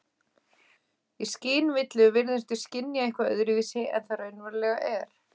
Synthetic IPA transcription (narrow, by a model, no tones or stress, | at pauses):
isciːnvɪt̪lɪvɪɾðɪst̪ʏscɪnjaehkvaœ̰ðɾɪviːsɪʔɛ̰nθaɾœɥnvaɾlɛɣaʔɛɾ̥